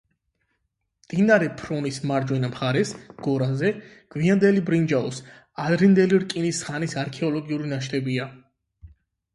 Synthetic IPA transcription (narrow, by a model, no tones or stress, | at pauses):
md̪̥inaɾɛpʰɾɔnismaɾd͡ʒwɛnamχaɾɛsɡ̥ɔɾazɛ | ɡ̥viand̪ɛlibɾind͡ʒaɔs | ad̪ɾind̪ɛliɾkʼinisχanisaɾkʰɛɔlɔɡiuɾinaʃt̪ʰɛbia